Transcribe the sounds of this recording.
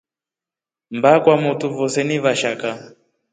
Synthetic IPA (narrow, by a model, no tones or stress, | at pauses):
mbakwamutuvɔsɛniβaʃaka